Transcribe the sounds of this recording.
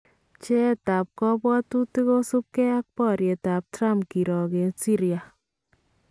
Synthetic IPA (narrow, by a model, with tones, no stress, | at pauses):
t͡ʃɛ˦˨ta˨p̚kɔ˦bwɔ˦tu˦ti˦ko˦su˦p̚kɛ˦a˦k̚pɔ˦˨ɾje˨ta˨p̚tɾa˦mki˨ɾɔ˨ke˨si˦ɾja˨